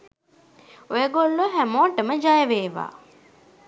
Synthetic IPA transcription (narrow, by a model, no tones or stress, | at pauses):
ojəɡolːuɦæmoːʈəməd͡ʒajəʋeːʋa̰ː